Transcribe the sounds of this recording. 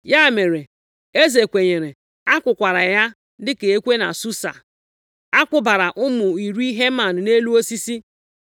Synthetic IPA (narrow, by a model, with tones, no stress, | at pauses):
ja˦˨me˨ɾe˨ | e˦ze˨kʷe˨ɲe˨ɾe˨ | a˦kʷʊ˨kʷa˨ɾa˨ja˦ | dɪ˦ke˨e˦kʷe˦na̰˨su˦sa̰˨ | a˦kʷʊ˨ba˨ɾa˨ʔʊ˦mʊ˨i˨ɾu˦i˦ɦe˦ma˨n̩˨ne˦lu˦o˦si˦si˦